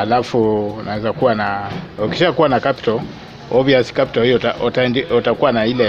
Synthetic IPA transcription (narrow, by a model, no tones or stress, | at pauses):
alafunawɛzakuwanauki̥ʃakuwanakapi̥tɔl | ɔviaskapitɔlhijɔatandɛɔtakuwanailɛ